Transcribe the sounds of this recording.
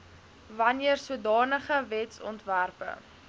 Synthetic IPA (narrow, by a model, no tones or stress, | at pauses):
vɐniərsuədɑːnəχəvɛtsɔ̰ntværpə̰